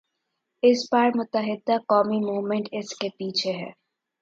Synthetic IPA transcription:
ɪspaɾmʊt̪ːəɦɪd̪akɔːmimuːʋmẽɳʈɪskepiːt͡ʃʰeɦɛ̰ː

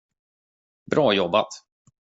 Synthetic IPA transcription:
bɾʔɑːjɔbat̪

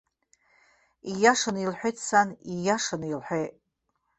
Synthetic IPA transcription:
ijaʂanilħʷᶣejtʰʼsanijaʂanilħᶣʷejtʼ

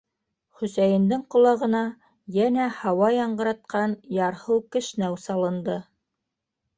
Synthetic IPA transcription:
χɵ̆sæjɘ̆nd̪ɘŋqŏlˠɑʁɤ̆nɑ | jænæhɑwɑjɑɴɢɤ̆ɾɑt̪̚qɑnjɑɾhɤwkɘ̆ʃnæwsɑlˠɤ̆nd̪ɤ

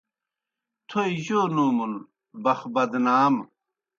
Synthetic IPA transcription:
t̪ʰojʑoːnuːmun | bɐxbɐd̪naːm

